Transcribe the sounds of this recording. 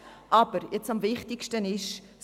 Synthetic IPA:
ʔɐbəɾjɛtsɐmviχtikstəniʃ

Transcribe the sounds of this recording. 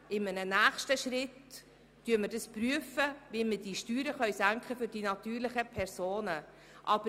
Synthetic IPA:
ɪmənənæːχʃtəʃrɪtː | yəməɾdɑspryəfəvimədiʃtyːɾəχœʏsæŋkχəfʏɾdinɑt̪yːɾlɪχəpʰɛɾsoːnə | ʔɑb̥ə

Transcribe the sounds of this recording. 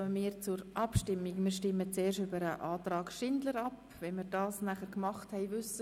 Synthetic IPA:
əmiːɾt͡sʊɾʔɑpʃtɪmːikmɪːɾʃtɪmːət͡seːɾʃybəɾəʔɑːtrɑːɡʃɪndləɾɑp | vɛnmɪːɾdɑːsnæχəɾkmɑχthɛɪvʏsə

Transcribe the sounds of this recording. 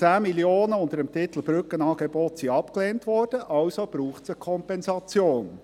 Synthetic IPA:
t͡sæːmiljoːnəʊndəɾəmt̪ʰɪt̪l̩bɾʏkənɑːɡebɔtsiɑpkleːntʋɔɾd̥əʔɑwsob̥ɾuːχtsəkʰɔmpɛnsɑt͡sjoːn

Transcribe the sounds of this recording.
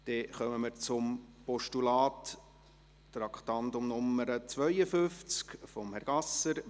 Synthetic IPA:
d̪̥ɛχœməməɾt͡sʊmpɔʃtulɑːtː | ɾɑkχt̪ɑnt̪ʊmnʊmːəɾət͡sʋœʏəfʏft͡skfɔmhɛɾɡ̥ɑsːəɾ

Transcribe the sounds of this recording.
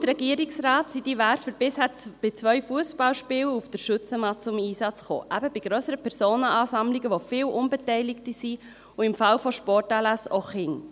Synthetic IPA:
t̪ɾɛɡiəɾɪksɾɑːt̪sid̥̪iʋæɾfəɾb̥ɪshæːt͡sb̥ɪt͡sʋœʏfuəsbɑlʃpɪːwufd̥̪əɾʃʉt͡səmɑt͡sʊmiːsɑt͡sχo̰ːʔæbəbɪɡ̥ɾœsəɾəpʰɛɾzoːnəɑːsɑmliɡəʋofɪːwʔʊnbɛtɛɪlɪktisi | ʊɪmfɑlfoʃpɔrtɑlæsoχɪŋ

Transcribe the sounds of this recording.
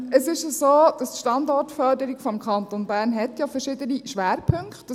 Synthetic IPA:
əsɪʃjasoːd̥ɑstʃtɑndɔɾtfœɾdəɾikfɔmkʰɑnt̪onbæːɾnɦɛt̪jɑfɛɾʃɪdəniʃʋæːɾpʰɵŋkt

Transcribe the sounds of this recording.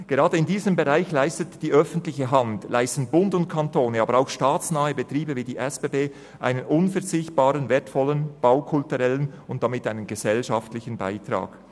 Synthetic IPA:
ɡ̥eʁɑːdəɪndiːzəmbeʁaɪçlaɪstətd̥iːʔœfn̩tlɪçəɦɑntlʔaɪstn̩bʊndʊntkʰɑntoːnəɑːbəɾaʊxʃtaːt͡snaːəbətʁiːbəviːdiːʔɛsb̥eːbeː | ʔa̰ɪnənʔʊnfɛɐt͡sɪçt̚b̥aːʁənvɛːɐtfɔlənb̥aʊkʰʊltuʁɛlənʊnt̚d̥amɪtaɪnənɡəzɛlʃɑftlɪçən̩ba̰ɪtʁa̰ːɡ̥

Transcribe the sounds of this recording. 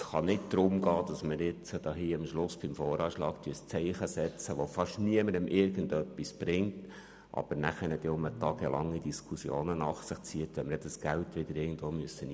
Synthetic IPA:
sχɑnɪtd̥̪ɾʊmɡɑːd̥ɑsməɾɪt͡səd̥ɑːɦiːɑmʃlʊsb̥ɪmfɔːɾɑːʃlɑːktyəst͡sɛɪχəsɛt͡səʋofɑʃniəməɾəmʔɪɾɡ̥əndœpːisb̥ɾɪŋt | ʔɑ̰b̥əɾnæχənɛt̪ɪʊmətɑːɡəlɑŋːidiskʰusjo̰ːnənɑχsɪχt͡siətʋɛməɾɛdɑsɡ̥æltʋɪd̥̪əɾɪrɡən̩dʋoːmyəsːən

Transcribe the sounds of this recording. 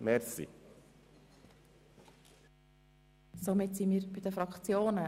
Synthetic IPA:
mɛɾsḭ | somɪtsimiːɾbɪdəfɾɑkχt͡sjoːnə

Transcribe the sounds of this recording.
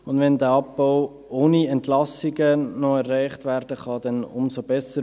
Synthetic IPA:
ʊndʋɛndæɑpbaʊ | oːniɛntlɑsiɡənɔɛrːæɪχtvæːɾd̥əχɑd̥ɛnʊ̰msobɛsə

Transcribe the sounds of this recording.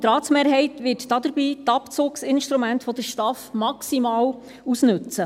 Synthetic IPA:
t̪ɾɑːt̪smeːɾɦɛɪtʋɪːtdɑd̪əɾbiːtɑpt͡soːksɪnʃtɾumæntfɔd̥̪əɾʃtɑfmɑksimɑːw | usnɵt͡sə

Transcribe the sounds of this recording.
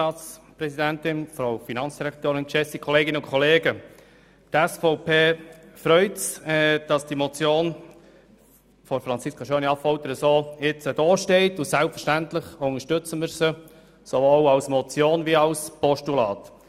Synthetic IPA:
ɑːt͡spɾɛsidæntɪnfɾawfinɑnt͡ssd̥iɾɛkt̪oːɾɪnkʃɛsikʰɔleːɡɪnəʊnkʰɔleːɡə | d̥ɛsfɔʊpʰeːfɾœʏtsɛd̥ɑsd̥imɔt͡sjoːn | fɔɾfɾɑnt͡siskʰɑʃøːniɑpfɔlt̪əɾəsoːɪt͡səd̥ɔːʃteɪtʊsælpfəɾʃtæntlɪχʊŋəʃtʏt͡səməɾsə | sovoːlɑlsmɔt͡sjoːnviɑlspɔʃtulɑːt

